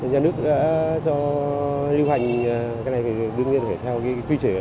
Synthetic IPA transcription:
ɲaː˧˩nɨ˦˥ək̚ɗa̰ː˧˥t͡ɕɔ˧ | li˧wɦa˨˩jŋ̟˨kaː˨˦jna˨˩jfa˨˩˨ɗɨ˧əŋɲi˧ənfe˧˩t̪ʰɛ˧wka˨˦kwi˧t͡ɕəː˧˩

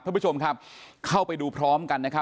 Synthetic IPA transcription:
a˥˩pu˦˥t͡ɕʰo˧mkʰa˦˥p̚kʰa˥˩wpa˧jduː˧pʰɾɔː˦˥mka˧nːa˦˥kʰa˦˥

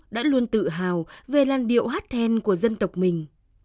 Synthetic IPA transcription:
ɗa̰ː˧˥lu˧ənt̪ɨ̰˧˨ɦaː˨˩wve˨˩laː˨˩nɗḭ˧˨əwɦaː˦˥t̚t̪ʰɛ˧nku˧˩əzə˧nt̪ə˨˩wk͡p̚mï˨˩ŋ̟

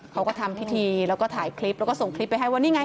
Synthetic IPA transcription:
kʰa˦˥wkɔ˥˩t̪ʰa˧mpʰi˦˥t̪ʰiː˧lɛ˦˥wkɔː˥˩t̪ʰaː˩˦jkʰli˦˥plɛː˧˦˥wkɔː˥˩so˨˩ŋkʰli˦˥pːa˧jɦa˥˩jwa˥˧niː˦˥˩ŋa˧˩

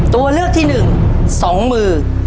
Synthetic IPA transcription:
t̪u˧ɐlɯ˥˩ək̚t̪ʰiː˥˩nɯ˨˩ŋ | sɔː˩˦ŋmɯː˧

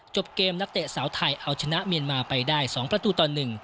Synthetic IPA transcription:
t͡ɕo˨˩p̚keː˧mna˦˥k̚t̪e˨˩saː˩˦wt̪ʰa˧jʔa˧wt͡ɕʰa˧na˦˥ʔmi˧ənmaː˧pa˧jdaː˥˩jsɔː˩˦ŋpɾa˧t̪uː˧t̪ɔː˨˩nːɯ˨˩ŋ

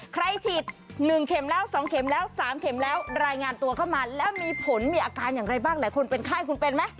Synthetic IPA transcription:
kʰɾa˧jt̪ʰi˨˩t̪̚nɯ˨˩ŋkʰe˩˦mlɛː˦˥wsɔː˨˩˦ŋkʰe˩˦mlɛː˦˥wsaː˩˦mkʰe˨˩˦mlɛː˦˥wɾaː˧jŋaː˧nt̪u˧ɐkʰa˥˩wmaː˧lɛː˦˥wmiː˧pʰo˩˦nmiː˧ʔaː˧kaː˧njaː˨˩ŋɾa˧jbaː˥˩ŋlaː˩˦jkʰo˧npe˧nkʰaː˥˩jkʰu˧npe˧nma˦˥j

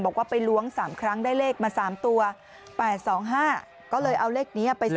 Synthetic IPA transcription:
bɔː˨˩kwaː˥˩pa˧jlu˦˥əŋsaː˩˦mkʰɾa˦˥ŋdaː˥˩jleː˥˩k̚maː˧saː˩˦mt̪u˧ɐ | pɛː˨˩t̪̚sɔː˩˦ŋɦaː˥˩ | kɔː˥˩lɤː˧jʔa˧wleː˥˩k̚niː˦˥a˧˩pa˧j

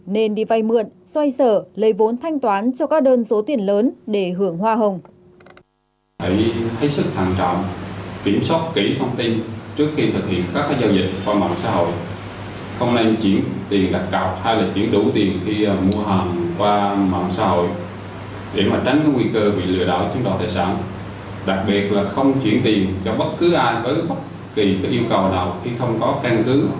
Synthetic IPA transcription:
ne˧nɓḭ˧˨va˧˩jmɨ˨˩ən̚swa˧jsəː˧˩lə˨˦jvo˨˦nt̪ʰa˧jŋ̟t̪waː˨˦nt͡ɕɔ˧kaː˦˥k̚ɗəː˧nso˨˦t̪i˨˩ənləː˨˦nɗe˧˩ɦɨ˧˩əŋɦwaː˧ɦə˨˩wŋ͡m | hə˧˩jhə˨˦˥sɨ˦˥k̚t̪ʰa˧˨ŋt͡ɕɔ̰˧˨wŋ͡mki˧˩əmswaː˦˥t̚ki˧˩t̪ʰə˧wŋ͡mt̪i˧nt͡ɕɨ˦˥ək̚xi˧t̪ʰɨ˨˩k̚hḭ˧˨ənkaː˦˥k̚ːaː˨˦˥zaː˧wzï˨˩k̟̚kwaː˧ma̰˧˨wŋ͡msa̰ː˧˥ɦo̰˧˨j | xə˧wŋ͡mne˧nt͡ɕi˨˦˥ənt̪i˨˩ənɗa˨˦˥k̚ka˨˩wp̚ha˧jlaː˨˩t͡ɕwi˧˩ənɗu˧˩t̪i˨˩ənxi˧˨˩mu˧əɦə˨˩nkwaː˧ma̰ː˧˨nsa̰ː˧˥hɦo̰˧˨j | ɗe˧˩maː˨˩t͡ɕa˨˦ŋ̟kaː˨˦ŋwi˧kəː˧ɓḭ˧˨lɨ̰˧˨əɗɔ̰ː˧˩jt͡ɕu˨˦nɗa̰˨˩t̪a̰ː˧˨jsa̰ː˧˩n | ɗa˨˩k̚ɓi˨˩ət̚laː˨˩xə˧wŋ͡mt͡ɕwḭ˧˩ənt̪i˨˩ənt͡ɕɔ˧ɓə˦˥t̚kɨ˨˦ʔaː˧jvəː˨˦jɓə˦˥t̚ | ki˨˩t̪ɨ˨˧˩ʔi˧əwkə˨˩wnaː˨˩wxi˧xə˧wŋ͡mkɔ˨˦ka˧nkɨ˨˦

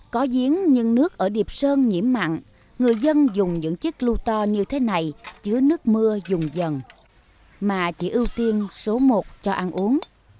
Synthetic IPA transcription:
kɔ˨˦zi˨˦ənɲɨ̰˧ŋnɨ˦˥ək̚ʔəː˧˩ɗi˨˩əp̚səː˧nɲḭ˧˩əmːa̰˧˨ŋ | ŋɨ˨˩əjzə˧nzʊ˨˩ŋ͡mɲɨ̰˧˥ŋt͡ɕɨ˦˥k̚lu˧t̪ɔ˧ɲɨ˧t̪ʰe˨˦na˨˩jt͡ɕɨ˨˦ənɨ˦˥ək̚mɨ˧əzʊ˨˩ŋ͡mzə˨˩n | maː˨˩t͡ɕi˧˩ʔi˧wt̪i˧ənso˨˦mo˨˩t̚t͡ɕɔ˧ʔa˧nʔu˨˦əŋ

